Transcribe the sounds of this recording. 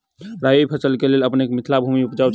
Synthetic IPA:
ɾajojpʰəsəlkeleləpnekemit̪ʰlabʱumiupd͡ʒaw

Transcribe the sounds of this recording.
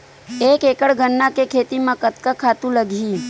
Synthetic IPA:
ekekəɽɡənːakekʰet̪imãkət̪kakʰat̪ũləɡʱi

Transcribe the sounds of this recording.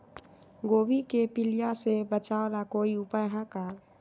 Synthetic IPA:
ɡoːbikepilijasebət͡ʃaolakoiʊpajɦãka

